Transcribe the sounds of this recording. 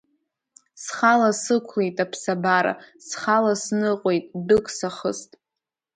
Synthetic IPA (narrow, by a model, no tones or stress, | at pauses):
sχalasɨkʷʰlejtʼapʰsabaɾa̰sχalasnɨqʷʼojtʼdɨkʼsaχəstʼ